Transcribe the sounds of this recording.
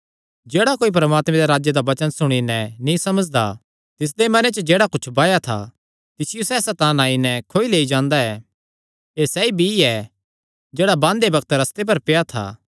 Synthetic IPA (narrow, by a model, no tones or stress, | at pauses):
d͡ʒeːɽakoːip̬ɾɐmaːt̪mẽd̪eɾaːd͡ʒjed̪aʋɐt͡ʃənsʊɽ̃inɛnĩsɐməd͡ʒd̪a̰ | t̪ɪs̬d̪emɐnet͡ʃəd͡ʒeːɽakʊt͡ʃʰbaːjat̪ʰa̰ | t̪ɪsɪjusɛːsat̪ãːnaːinɛkʰoːileːid͡ʒãːnd̪aɛ | esɛibʱiɛ | d͡ʒeːɽabãːnd̪ebɐkt̪ɾɐst̪ep̬ɐɾpɪjat̪ʰa̰ː